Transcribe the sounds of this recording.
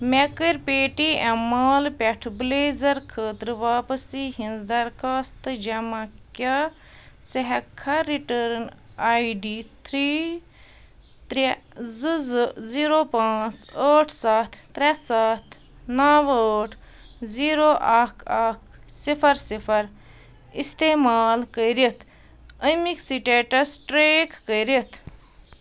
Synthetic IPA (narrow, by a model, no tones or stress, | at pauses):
mekəɾpeːʈiʔɛmaːlpʲɛʈʰbleːzɐɾkʰəːt̪ɾɨʋaːpɐsiɦĩnzd̪ɐɾkʰaːst̪d͡ʒɐmakja | seɦɐkʰːaɾiʈəɾn | aːiɖit̪ʰɾi | t̪ɾzziɾopãːt͡səʈʰsat̪ʰt̪ɾesat̪ʰ | naʋəʈʰ | ziɾoʔaːkʰakʰsipʰɐɾsipʰɐɾ | ist̪emaːlkəjɾit̪ʰ | əjmiksiʈeʈɐsʈɾeːkːəjɾit̪ʰ